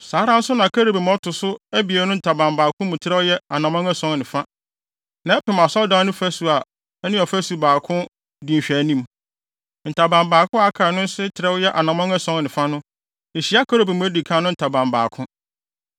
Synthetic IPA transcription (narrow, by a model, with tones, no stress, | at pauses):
saː˨˦ɾã˦n̩˦sʊ˦nã˨kʰa˦ɾo˨bi˨m˨˦ɔ˦tʰʊ˨sʊ˦æ˦bi˨ɛ˨˦nʊ̃˦n̩˨tʰa˨bã˨mbaː˨kʰʊ̃˦mʊ̃˨tʰɪ˦ɾɛ˦wʊ˦jɛ˦a˨nã˨mɔ̃˦ŋɛ˦sɔ̃˦ŋnɪ̃˨fa˦ | nã˨˦ɛ˦pɪ̃˨m˨a˨sɔ˦dãː˦nʊ̃˦fæ˦su˨a˨ | ɛ˦nɪ̃˦ɔ˨fæ˦su˨baː˨kʰʊ̃˦ | dĩ˨ɕᶣæ˨˦nĩ˦m | n̩˨tʰa˨bã˨mbaː˨kʊ̃˦a˦kʰaː˨nʊ̃˦n̩˦sɪ˦tʰɪ˨ɾɛ˦wʊ˦jɛ˦ʔa˨nã˨mɔ̃˦ŋɛ˦sɔ̃˦ŋnɪ̃˨fa˦nʊ̃˦ | e˨ɕi˦a˦kʰa˦ɾo˨bi˨mʊ̃˨˦æ˦di˨kʰã˦nʊ̃˦n̩˨tʰa˨bã˨mba̰ː˨kʰʊ̃˦